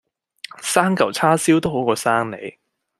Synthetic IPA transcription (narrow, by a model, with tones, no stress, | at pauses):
saː˥ŋkɐ˨˩wt͡sʰaː˥siː˥wt̪o˥wɦo˨˥wkɔː˧saː˥ŋnḛ˨˧j